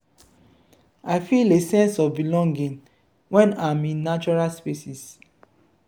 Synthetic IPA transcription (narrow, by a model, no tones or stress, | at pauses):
aɪfilesɛ̃nsɔvbilɔ̃ŋɡĩn | wɛ̃namĩnːat͡ʃɔɹaspesis